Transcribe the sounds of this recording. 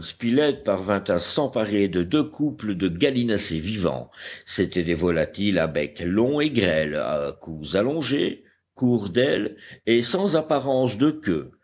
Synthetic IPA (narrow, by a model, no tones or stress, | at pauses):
spilɛt̪̚paʁvɛ̃t̪asɑ̃paʁed̪əd̪økʰupləd̪əɡalinasevivɑ̰̃set̪ɛd̪evɔlat̪ilavɛklɔ̃eɡʁɛla̰kuzalɔ̃ʒe | kuʁd̪ɛlesɑ̃zapaʁɑ̃sd̪əkʲø̰